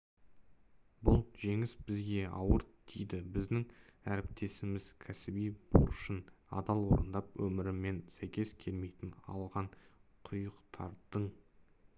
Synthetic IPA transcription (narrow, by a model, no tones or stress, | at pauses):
bʊlˠʒe̞ŋɪsbɪzɡʲe̞ɑ̰wəɾd̪ʰejd̪ɪbɪzd̪ɪŋæɾɪp̚t̪ʰe̞sɪmɪz̥kʲʰæsɪbijboɾʃənɑ̰d̪ɑlˠwo̞̰ɾənd̪ɑpwɵmɪɾɪmːe̞nsæjkʲe̞skʲʰe̞lme̞jt̪ɪnɑ̰lˠʁɑɴqʰʊjəqt̪ʰɑ̰ɾd̪əɴ